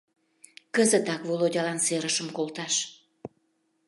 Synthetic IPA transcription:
kəzət̪ɑkvolodʲɑlɑnseɾəʃəmkolt̪ɑʃ

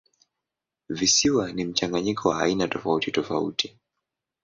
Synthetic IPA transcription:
visiwanim̩t͡ʃaŋɡaɲikʰɔwaːinatɔfautitɔfaṵti

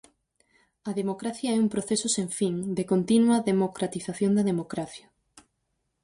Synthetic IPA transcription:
ɐðemokɾaθjɐɛumpɾoθesosẽɱfiŋd̪ekont̪inwɐðemokɾat̪iθaθjond̪ɐðemokɾaθjɐ

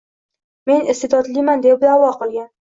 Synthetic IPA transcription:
me̞nɪst̪ed̪ɒd̪lijmand̪ep̚d̪awɒqʰɨlˠɡʲan

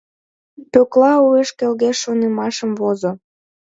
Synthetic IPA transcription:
pøklɑueʃkelɣeʃːonemɑʃəmvozo

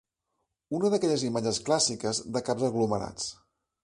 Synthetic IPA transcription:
unəðəkɛʎəzimad͡ʒəsklasikəzd̪əkapzəɣluməɾa̰t͡s

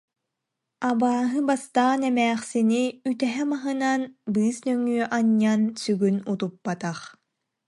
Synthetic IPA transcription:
abaːɦɯbast̪aːnɛmɛːχsiniyt̪ɛɦɛmaɦɯnanbɯːsnœŋyːʔaɲːansyɡynut̪upːat̪aχ

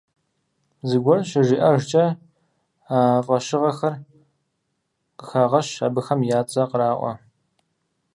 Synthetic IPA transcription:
zɨɡʷɔrɕɪʒiːʔɐʒt͡ʃʼɐ | aːfʼɐɕɪʁɐxɐr | qəxaːʁɐɕabɨxɐmjaːt͡sʼɐqəɾaːʔʷɔ̰

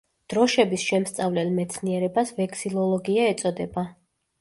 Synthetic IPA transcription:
d̪̥ɾɔʃɛbisʃɛmst̪sʼavlɛlmɛt̪sʰniɛɾɛbasvɛkʰʼsilˠɔlˠɔɡiaɛt̪sʼɔd̪ɛba

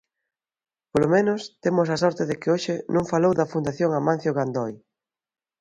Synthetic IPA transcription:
polomẽnʊst̪emʊsɐsɔɾt̪ɪðɪkɪoʃɪnõŋfalowðɐfund̪aθjoŋamãn̟θjoɣand̪ɔj

